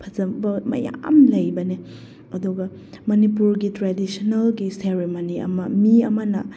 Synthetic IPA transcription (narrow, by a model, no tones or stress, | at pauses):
pʰɐzɐmbɐmɐ̰ja̰mlɐjbɐne | ɐduɡɐ | mɐnipuɾɡitɾadisonɐlɡiseɾemoniɐ̰mɐmiɐmɐnɐ̰